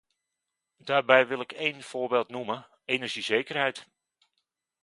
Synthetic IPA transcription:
daːɹbɛjʋɪlˠɪkejnv̥oːɹbeːlˠtnumə | enəɹʒizejkərɦɛjt

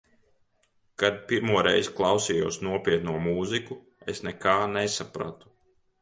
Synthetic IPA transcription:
kad̪̚piɾmuɔɾɛjzklˠɑwsijuːsnuɔpʲiɛt̪nuɔmuːziku | esnɛkaːnesapɾa̰t̪u̥

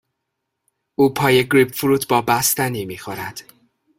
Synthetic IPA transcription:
uːpʰɒːjeɡɾibfuɾut̪ʰbɒːbæst̪æniːmiːxoɾæd̪̥

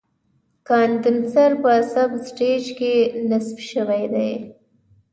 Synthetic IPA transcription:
kɑnd̪ɪnsaɾpəːsabsʈed͡ʒkenasbʃəwajd̪aj

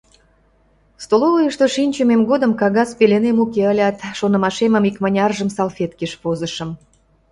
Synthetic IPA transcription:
st̪olovəjəʃt̪oʃinʲt͡ɕəmemɡod̪əmkɑɣɑspelenemukeəlʲɑt̪ʃonə̆mɑʃeməmikmɑnʲɑrʒəmsɑlfʲet̪keʃpozəʃə̆m

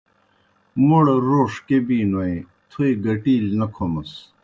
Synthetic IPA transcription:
moɽeɾoːʂkebiːnoẽ | t̪ʰoiɡɐʈiːlnɐkʰomɐs

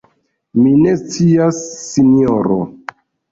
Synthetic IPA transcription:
mine̞st͡siasːinioɾo̰

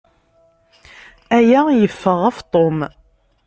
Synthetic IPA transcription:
æjæjəfːəʁæft̪ˤom

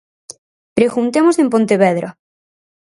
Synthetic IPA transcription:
pɾeɣunt̪emosempõnt̪eβeðɾʔa

